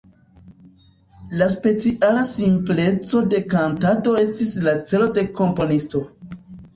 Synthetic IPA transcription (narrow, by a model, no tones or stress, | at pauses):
laspe̞t͡siʔalasimple̞t͡so̞de̞kantato̞e̞stislat͡se̞lo̞de̞ko̞mpo̞nisto̞